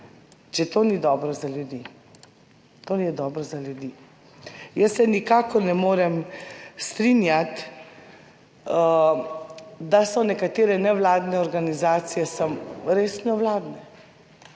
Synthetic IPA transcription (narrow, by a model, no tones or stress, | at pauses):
t͡ʃɛt̪oːnid̪ɔːbɾɔzaljud̪iː | t̪onijɛd̪ɔːbɾɔzalʲjud̪iː | jəsːɛnikaːkɔɾnɛmoːɾɛmst̪ɾinjat̪ | d̪asɔnɛkat̪eːɾɛnɛʋlaːd̪nɛɔɾɡanizaːt̪sijɛsəmɾeːsnɔwlaːd̪nɛ